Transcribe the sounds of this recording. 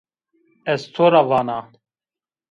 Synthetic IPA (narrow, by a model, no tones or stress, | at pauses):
est͡sʰoɾavaːna